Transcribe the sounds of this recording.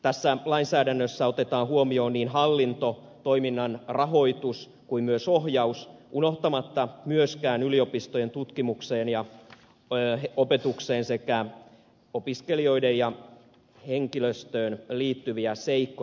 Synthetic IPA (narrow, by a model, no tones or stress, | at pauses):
t̪æsːælɑinsæːdænːøsːæot̪et̪ɑːhuomio̞ːnniːnɦɑlːint̪o | t̪oiminːɑnrɑɦo̞it̪us | kuimyøsohjɑusʔunoht̪ɑmɑt̪ːɑmyøskæːnyliopist̪ojent̪ut̪kimukseːnjɑ | eopet̪ukseːnsekæ | opiskelio̞idejjɑ | heŋkiløst̪øːnliːt̪ːyʋiæseikːo